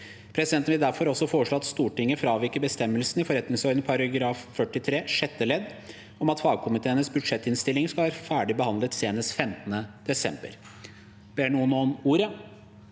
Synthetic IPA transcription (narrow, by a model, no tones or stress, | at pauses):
pʰɾɛsɪd̪ɛnt̪n̩ʋɪld̪æɾfɔɾɔsɔfoːʂɭoːɑt̪st̪uːʈɪŋːəfɾɑːʋɪɾkəbəst̪ɛmːəlsnɪfɔɾɛt̪nɪŋsɔɾd̪npʰɑɾɑɡɾɑːffœʈɪt̪ʰɾeːʂɛt̪ːəlɛd̪ | ɔmɑt̪fɑːɡ̚kʰʊmɪt̪ʰeːənəsbʉd̪ʂɛt̪ːɪnst̪ɪlːɪŋskɑlʋæːɾfæːɖɪbəhɑnd̪lət̪seːnəsfɛmt̪ənəd̪̥ɛsɛ̰mbə̰ɾ | b̥eːɳuːənomuːɾə